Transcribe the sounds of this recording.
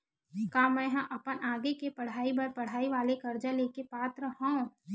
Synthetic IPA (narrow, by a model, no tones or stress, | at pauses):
kãːmɛ̃ːɦɐ̃ʔɐpənaːɡekepɐɽ̤aːibɐɾpɐɽ̤aːiʋaːlekɐɾd͡ʒaleːkepaːt̪ɾəɦõː